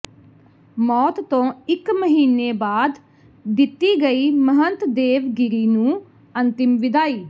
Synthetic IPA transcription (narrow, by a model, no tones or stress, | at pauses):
mɔːt̪ːõːɪkməɦiːneːbaːd̪ | d̪ɪt̪ːiːɡəiːməɦənt̪d̪eːʋɡɪɾiːnũː | ənt̪ɪmʋɪd̪aːiː